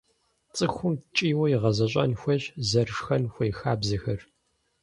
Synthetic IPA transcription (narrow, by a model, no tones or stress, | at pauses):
t͡sʼɨxʷʊmt͡ʃʼiːwɐjiʁɐzɐɕʼɐ̰nxʷɔɕzɐrʂxɐnxʷɔjxaːbzɐxɐr